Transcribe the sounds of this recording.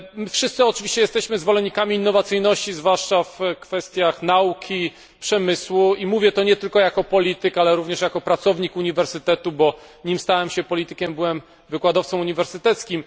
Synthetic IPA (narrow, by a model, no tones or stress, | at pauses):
mɘfʂɘst̪sɘɔt͡ʂɘvʲiɕt͡ɕɛjɛst̪ɛɕmɘzvɔlɛɲːikamʲiːnːɔvat̪sɘjnɔɕt͡ɕizvwaʂt͡ʂafkfɛst̪ʲjaxnaukʲʰi | pʂɛmɘswuimuvʲjɛt̪ɔɲɛt̪ɘlkɔjakɔpɔlʲit̪ɘkalɛɾuvɲɛʂjakɔpɾat̪sɔvɲikuɲivɛɾsɘt̪ɛt̪ubɔɲimst̪awɛmɕɛpɔlʲit̪ɘkʲɛmbɘwɛm | vɘkwad̪ɔft̪sɔ̃muɲivɛɾsɘt̪ɛt̪skʲim